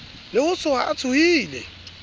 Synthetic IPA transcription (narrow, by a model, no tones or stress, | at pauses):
lɪhʊsʰʊaat͡sʰʊiːlɛ̰